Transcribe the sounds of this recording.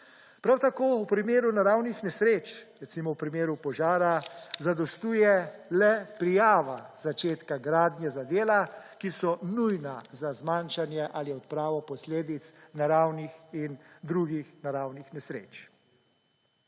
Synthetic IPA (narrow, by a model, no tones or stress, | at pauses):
pɾawt̪akoːwpɾimeːɾunaɾawnixnɛsɾeːt͡ʃɾɛt̪simɔwpɾimeːɾupɔʒaːɾazad̪ɔst̪uːjɛlɛpɾijaːʋaz̥at͡ʃeːt̪kaɡɾaːd̪njɛzad̪eːlakisɔnujnazazmanʃanjɛʔaliɔt̪̚pɾaːʋɔpɔsleːd̪it̪snaɾawnixind̪ɾuɡixnaɾawnixnɛsɾḛːt͡ʃ